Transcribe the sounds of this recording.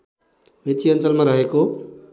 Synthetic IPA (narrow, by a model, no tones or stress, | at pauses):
met͡ʃiʌnt͡ʃʌlmaɾʌɦeko